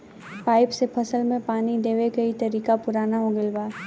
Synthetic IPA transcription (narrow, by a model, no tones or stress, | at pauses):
paːɪpsepʰɐsəlmẽpaːnid̪eːʋekɐit̪ɐɾiːkapʊɾaːnaɦoːɡɪlʋaː